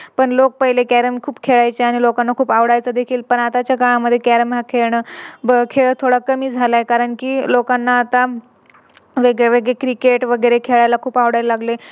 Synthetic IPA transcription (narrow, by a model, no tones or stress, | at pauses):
pəɳlok̚pəɦilekæɾəmkʰuːpkʰeɭajt͡ɕeaɽ̃ilokanːakʰuːpaʋɽajt͡səd̪ekʰiːlpəɳat̪at͡ɕjakaɭaməd̪ʱːjekæɾəmɦakʰeɭɳəbəkʰeɭət̪ʰoɽakəmiːd͡zʱalaekaɾəɳkiːlokanːaːt̪a | ʋeɡeʋeɡɭekɾikeʈʋəɡəjɾekʰeɭajlakʰuːpaʋɽajllaɡle